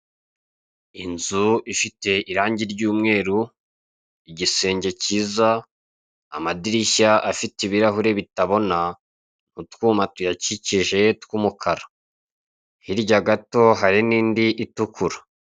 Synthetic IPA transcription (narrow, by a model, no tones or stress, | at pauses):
inzuifite̞ʔiɾaːɲɟiɾɟuːmŋe̞ːɾu | iɟise̞ːɲɟe̞ciːza̰ː | madiɾiçaʔafitiβiɾaɦuɾe̞βitaβo̞na | n̥utkuːmatujaciciʒe̞tkumukʰaɾa | hiɾɟaɡato̞ɦaɾiniːndiʔitukʰuɾḁ